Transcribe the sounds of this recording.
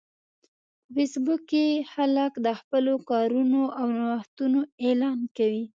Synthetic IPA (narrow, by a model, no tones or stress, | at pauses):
fesbukexalakd̪əxpəlokɑɾunoʔawnawaxt̪unoelɑnkawi